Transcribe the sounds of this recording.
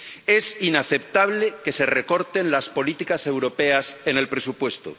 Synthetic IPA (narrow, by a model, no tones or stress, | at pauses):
e̞sinaθe̞p̚t̪aβle̞ke̞se̞re̞ko̞ɾt̪e̞nlaspo̞lit̪ikase̞wɾo̞pe̞ase̞ne̞lpɾe̞supwe̞st̪o̰